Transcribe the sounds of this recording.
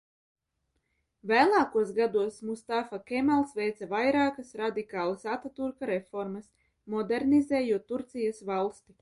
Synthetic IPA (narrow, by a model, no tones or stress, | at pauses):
væːlˠaːkuɔsɡad̪uɔsmust̪afakʲɛmalˠsvɛjt̪savajɾaːkɐsɾad̪ikaːlˠɐsat̪at̪uɾkaɾefɔɾmɐs | mɔd̪eɾnizɛːjuɔt̪ːuɾt̪sijasvalˠst̪i